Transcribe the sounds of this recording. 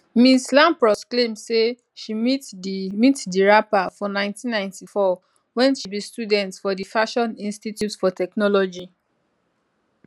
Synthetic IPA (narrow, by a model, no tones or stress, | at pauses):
mĩslãmpɹɔsklẽmse | ʃimitmitdiɹapafɔnãɪ̃ntĩnːãɪ̃ntifɔ | wɛ̃nʃibistjudɛ̃ntfɔdifaʃɔ̃nĩnstitjutfɔtɛknɔlɔd͡ʒi